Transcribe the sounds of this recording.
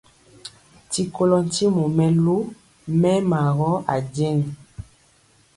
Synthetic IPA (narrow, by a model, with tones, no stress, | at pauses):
ti˨ko˦lɔ˦n˦ti˦mo˨mɛ˦lo˦ | mɛ˦ma˨ɣɔ˦ʔa̰˨d͡ʒɛ˦ŋ˨